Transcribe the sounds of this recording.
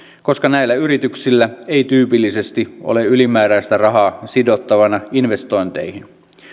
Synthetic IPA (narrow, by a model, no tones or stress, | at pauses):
ko̞skɑnæilːæyɾit̪yksilːæejt̪yːpilːise̞st̪iʔo̰leylimæːɾæist̪ærɑɦɑːsidot̪ːɑʋɑnɑinʋe̞st̪o̞int̪ḛihin